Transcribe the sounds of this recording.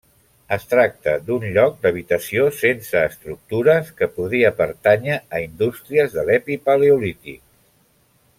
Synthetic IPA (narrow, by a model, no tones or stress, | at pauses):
əst̪ɾak̚t̪ə̰d̪unʎɔk̚d̪əβ̞it̪əsiosensəːst̪ɾuk̚t̪uɾəskəpuðiəpəɾt̪aɲəːind̪ust̪ɾiəzðəlɛpipaleulit̪ḭk